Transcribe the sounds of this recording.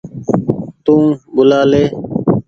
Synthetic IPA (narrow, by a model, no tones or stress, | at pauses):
t̪ũːbʊlaːleː